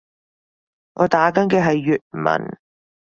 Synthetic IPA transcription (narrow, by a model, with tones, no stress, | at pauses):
ŋʔɔː˨˧t̪aː˨˥kɐ˨˥nkɛː˧ɦɐ˨jːyː˨t̚mɐ̰˨˩n